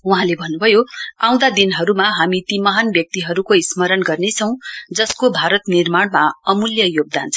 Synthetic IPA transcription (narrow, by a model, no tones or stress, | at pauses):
uɦãlebʱʌnːubʱʌjoãw̃d̪ad̪inɦʌɾumaɦamit̪imʌɦanbjʌk̚t̪iɦʌɾukoismʌɾʌnɡʌrnet͡sʰʌ̃w̃d͡zʌskobʱaɾʌt̪nirmaɽmaʌmuljʌjoɡ̚d̪ant͡sʰʌ